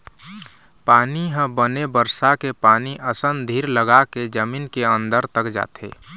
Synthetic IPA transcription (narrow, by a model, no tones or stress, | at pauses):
paːniɦə̃bənebəɾsakepaːniʔəsənd̪ʱiːɾləɡaked͡ʒəmiːnkeə̃nd̪əɾt̪əkd͡ʒa̰ːt̪ḛː